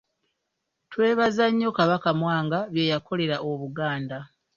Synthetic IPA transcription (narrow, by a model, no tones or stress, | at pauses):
twe̞ːβazaɲːo̞kaβakamwaːŋɡaβje̞jakʰo̞le̞ɾaʔoβuɡaːnda